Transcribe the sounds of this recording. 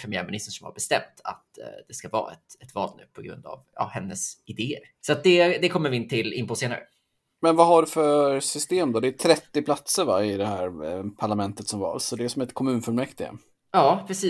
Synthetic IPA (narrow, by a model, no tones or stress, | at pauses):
pʰɾɛmɪæ̰ːɾmɪnɪst̪əʂɔmha̰ɾbɛst̪ɛmt̪ʰa̰t̪d̪ɛskavɑ̰ːa̰ɛ̰t̪ɛt̪vɑ̰ːlnʉ̟ːpʰɔɡɾɵ̰nd̪a̰vɑ̰hɛnːəsɪd̪eːəɾ | sɔat̪̚d̪ɛd̪ɛkʰɔmːəɾvɪɪnt̪ʰɪlɪmpʊseːna̰ɾə̰ | mɛnvaɦaɖɵfœsʏst̪eːmd̪ɔd̪ɛːt̪ʰɾɛt̪ːɪpʰlat̪səɾvaɪd̪ɛhæːɾpʰaɭamɛnt̪ət̪sɔmvɑ̰ːlsɔd̪ɛʂɔmɛt̪kʰɔmʉ̟ːnfœɭmɛkt̪ɪɡə̰ | jɑːpʰɾɛsiː